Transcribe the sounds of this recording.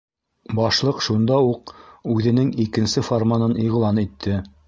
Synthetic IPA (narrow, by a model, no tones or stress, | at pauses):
bɑʃlˠɤqʃund̪ɑuqʉðɘ̆nɘŋikɘ̆nsɘformanɤniʁlˠɑnit̪ʰːɘ